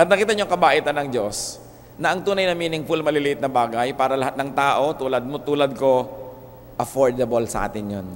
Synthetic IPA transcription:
pɐd̪̚nɐkiːt̪ɐɲoŋkɐbaːʔɪt̪ɐnɐŋd͡ʒo̞s | nɐʔɐŋt̪uːnɐjnɐmiːnɪŋfʊlmɐlɪlɪʔɪt̪̚nɐbaːɡɐjpaːɾɐlɐhat̪nɐŋt̪aːʔo̞t̪uːlɐd̪̚mot̪uːlɐd̪̚ko̞ | ʔɐfoɹd̪ɐbɐlsɐ̰ʔa̰ːt̪ɪnjon

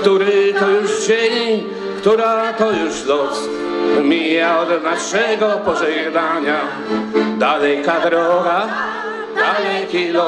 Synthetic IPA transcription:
kt̪uɾɛt̪ɔjuʃd͡ʑɛɲi | kt̪uɾat̪ɔjuʃlɔs | mʲijaɔd̪naʂɛɡɔpɔzɛɡd̪aɲa | d̪alɛkad̪ɾɔɡa | d̪alɛkilɔ

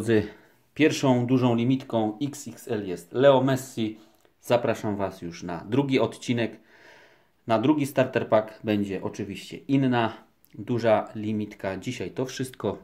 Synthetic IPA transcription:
d̪zɘ | pʲjɛɾfʂɔ̃w̃d̪uʐɔ̃w̃lʲimʲit̪kɔ̃w̃iksiksɛljɛst̪lɛɔmɛsːi | z̥apɾaʂamvasjuʂna̰d̪ɾuɡʲiɔt̪t͡ɕinɛk | nad̪ɾuɡʲist̪aɾt̪ɛɾpakbɛɲd͡ʑɛʔɔt͡ʂɘvʲiɕt͡ɕɛ̰ʔinːa | d̪uʐalʲimʲit̪kad͡ʑiɕajt̪ɔfʂɘst̪̚kɔ

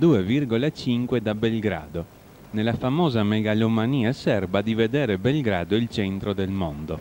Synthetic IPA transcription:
d̪uːevirɡolat͡ʃiŋkwed̪abelɡɾa̰ːd̪o | nelafamɔːzamɛɡalomaniːasɛrbad̪ivɛd̪ɛːɾebɛlɡɾaːd̪oilt͡ʃɛnt̪ɾod̪ɛlmond̪o

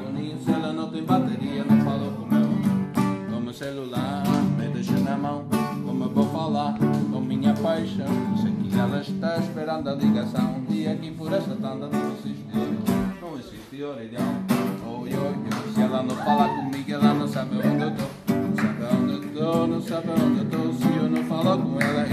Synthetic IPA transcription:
onĩũsɛlɐnɐ̃w̃t̪ẽj̃mat̪eɾiɐnɐ̃w̃falokõmew | kõmeselulaɾmed̪eʃonɐmɐ̃w̃kõmewvowfalaɾkõmĩɲɐpajʃɐ̃w̃ñsekiɛlɐʃt̪aeʃpeɾɐ̃nd̪ɐliɡasɐ̃w̃ũd̪iɐkĩpʊɾɛsɐt̪ãnd̪ɐ̃nd̪ɐ̃w̃ẽsiʃt̪ioɾɐ̃nɐ̃w̃esiʃt̪ioɾiɡ̪ãoewakesiɛlanɐ̃w̃falaɾkõmiɡelanɐ̃w̃sabɐõnd̪ewt̪o | nɐ̃w̃sabɐõnd̪et̪onɐ̃w̃sabɐõnd̪ewt̪osiewnɐ̃w̃falakõɛlɐ

